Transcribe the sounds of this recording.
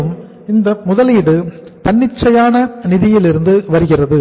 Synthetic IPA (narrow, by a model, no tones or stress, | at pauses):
ɯm | ɪnd̪ɐmʊðɐliːðɯp̪ɐɳːɪt͡ʃːɐjaːnɐnɪðɪjɪlɪɾɯnd̪ɯʋɐɾɯɣɪrɐðɯ